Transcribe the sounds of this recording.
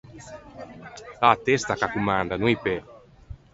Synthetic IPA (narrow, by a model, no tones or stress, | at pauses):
lat̪est̪akakumand̪anuipe